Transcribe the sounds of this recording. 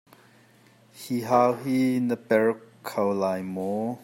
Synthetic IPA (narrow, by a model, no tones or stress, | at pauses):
hiɦawɦinəpɛɹkʰːɐwlajmɔ